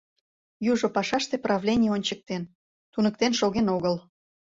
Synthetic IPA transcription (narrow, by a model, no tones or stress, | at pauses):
juʒopɑʃɑʃt̪eprɑvlʲenʲijəonʲt͡ɕək̚t̪en | t̪unək̚t̪enʃoɣenoɣəl